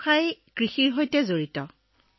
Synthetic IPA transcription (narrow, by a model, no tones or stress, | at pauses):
kʰajkɹixiɹɦojtɛzoɹitɔ